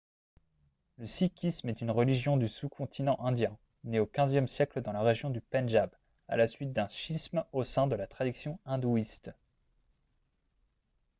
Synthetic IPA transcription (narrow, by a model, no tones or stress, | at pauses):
ləsikʲʰismɛt̪ynʁəliʒjɔ̃d̪ysukʰɔ̃t̪ʰinɑ̃ʔɛ̃d̪jɛ̃ | neokʲɛ̃zjɛmsjɛkləd̪ɑ̃laʁeʒjɔ̃d̪ypɛnʒab | a̰lasɥit̪̚d̪ɛ̃ʃismosɛ̃d̪əlat̪χad̪isjɔ̃ɛ̃d̪uist̪